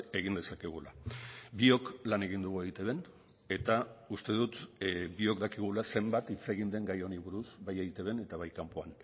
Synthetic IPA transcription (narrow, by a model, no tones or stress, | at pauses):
e̞ɣind̪e̞sakeɣ̞ulabio̞klane̞ɣ̞ind̪uɣueɣit̪e̞βe̞n | e̞t̪aust̪e̞ðut̪bio̞kd̪akiɣ̞ulase̞mbat̪it͡se̞ɣind̪e̞ŋɡajo̞niβuɾusbajeɣit̪e̞βe̞ne̞t̪aβ̞ajkampo̞an